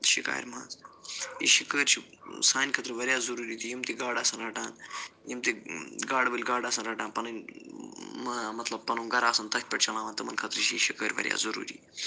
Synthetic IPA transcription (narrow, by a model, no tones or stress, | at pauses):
t̪ʃika̰ːj̰ɾmãːnzjḭʃikəːɾt͡ʃʰi | saːnʲkʰɐt̪ɾɨʋɐɾjaːzɐɾuːɾiːt̪ʰijimt̪iɡaːɽaːsɐnɾɐːʈãːnjimt̪iɡaːɽbɐlʲɡaːɖaːsɐnɾɐʈãːnpɐnɐnʲ | mɐmɐt̪lɐb̚pɐnuːɡɐɾaːsɐnt̪ɐkt̪̚ʲpɐʈt͡ʃɐlaːʋãnt̪ɐmɐnkʰɐt̪ɾɨt͡ʃʰijiʃikəːɾʋɐ̰ɾʲja̰ːzɐɾṵːɾḭː